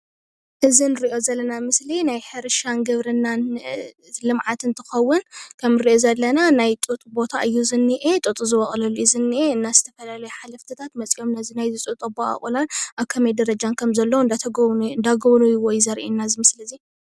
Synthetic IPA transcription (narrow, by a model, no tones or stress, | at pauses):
ʔɨzinɨɾiʔo̞zɐlːɐnamɨslinajħɨɾɨʃanɡɐβɾɨnːan | lɨmʕat̪ɨnt̪ʰɨxɐwːʊnkʰɐmɨɾiʔo̞zɐlːɐnanajt̪ʼut̪ʼubo̞t̪ʰa̰ɨjːuzɨnːiʔet̪ʼut̪ʼuzɨβɐχʼlɐlːuizɨnːiʔeɨnːazɨt̪ʰɐfɐlalɐjuħalɐft̪ʰɨt̪ʰat̪mɐt͡sʼijo̞mnɐzinajzɨt͡sʼut̪ʼuboa̰χʼulanʔaβkʰɐmed̪ɐɾɐd͡ʒankʰɐmzɐlːɐwd̪ʰɨnd̪aɡɐβnujuwɔjzɐɾʔḭnːazɨmɨslizi